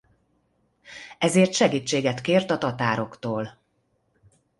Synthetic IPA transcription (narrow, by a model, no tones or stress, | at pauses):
ɛzeːrt̪ʃɛɡiːt͡ʃːeːɡɛt̪keːrt̪ɒt̪ɒt̪aːɾo̞kt̪oːl